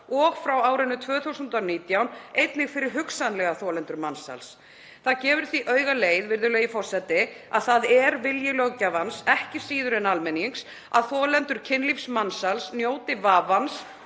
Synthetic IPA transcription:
ɔɣfɾawaːwɾɪnːʏt̪ʰvœːθuwsʏnt̪awniːt̪jawnejt̪nɪɣfɪɾɪɾ̥ɦʏksanlɛɣaθɔːlɛnt̪ʏɾmansa̰ls | θaðcɛːvʏɾ̥θviʔœːɥɣaleːjðvɪɾðʏlœɣɪfɔr̥sɛt̪ɪaðθaðɛɾvɪljɪlœɣcavansɛhcɪsiːðʏɾɛnalmɛniŋks | a̰ðθɔːlɛnt̪ʏɾ̥cʰɪnlifsmansalsnjoːwt̪ɪvaːvans

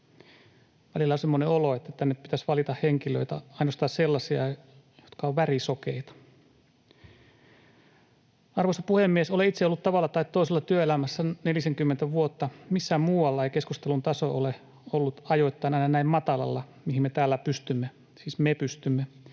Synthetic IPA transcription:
ʋælilːæosemːoneoloet̪ːæt̪ːænepit̪æsʋɑlit̪ɑhheŋkiløit̪æɑinost̪ɑːsselːɑsiɑ | jot̪kɑoʋʋærisokeit̪ɑ̥ | ɑrʋosɑpuhemːiesoleit̪seolːut̪t̪ɑʋɑlːɑt̪ɑit̪t̪ːoiselːɑt̪yøelæmæsːænelisæŋkymːent̪æʋuot̪ːɑmisːæmuːwɑlːɑejke̞skust̪elunt̪ɑso̞ole | olːut̪ɑjo̞t̪ːɑinɑˑijnɑnæimmɑt̪ɑlɑ̰lːɑ | mihimmet̪æːlːæpyst̪ymːe | siːsmepyst̪ymːe

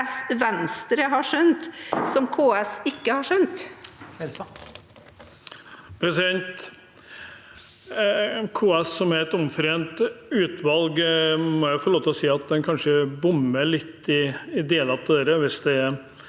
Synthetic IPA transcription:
sʋɛnst̪ɾəɦɑʂœnt̪sɔmkʰoːɛsɪkːəhɑʂœnt̪ | pʰɾɛsɪd̪ɛnt̪ | kʰoːɛssɔmæɾɛt̪ɔmfɾeːnt̪ʉːt̪ʋɑlɡmɔjæfɔɭoːt̪əɔsiːɑt̪̚d̪ɛnkʰɑnʂəbʊmːəɭɪt̪ːɪɪd̪eːlɑt̪ʰːeːɾəʋɪsd̪ɛɛ

